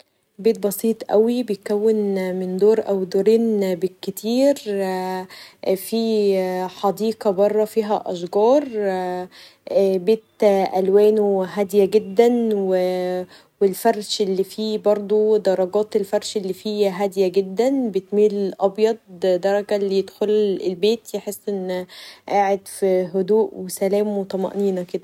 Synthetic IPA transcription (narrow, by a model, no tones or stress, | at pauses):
beːt̪̚bɑsˤiːt̪ˤʔæwibejet̪̚kæwːenmend̪oːɾʔæwd̪oɾiːnbekːet̪ʰiːɾ | fiːħɑd̪iːqɑbɑrˤːɑfiːɦæʔɑʃɡɑːɾˤ | beːt̪ʔælwæːnoɦæd̪jæɡed̪ːænwe | welfɑɾˤʃʔelːifiːbɑɾˤd̪ˤod̪ɑɾˤɑɡɑːt̪elfɑɾˤʃelːiːfiːɦæd̪jæɡed̪ːænbet̪miːlʔɑbjɑd̪̚ˤd̪ɑɾˤɑɡælːijed̪xolḛlbeːt̪jeħesːʔenːʔaːʕed̪fiɦod̪uːʔwesælæːmwet̪ˤɑmɑ̰ʔniːnæked̪æ